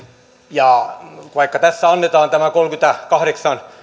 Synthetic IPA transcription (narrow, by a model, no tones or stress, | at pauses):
jɑʋɑikːɑt̪æsːæɑnːet̪ɑːnt̪æmækolkyt̪ækɑhɾeksɑn